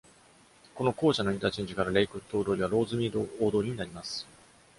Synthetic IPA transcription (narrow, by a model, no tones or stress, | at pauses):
ko̞no̞ko̞ːɕano̞ĩnt̪aːt͡ɕe̞ɲ̟d͡ʑikaɾaɾe̞ikɯ̟t̪ːo̞ːd̪oːɾʲiβaɾo̞ːzɨmʲiːd̪oːd̪oːɾʲiɲ̟inaɾʲimasɨ̥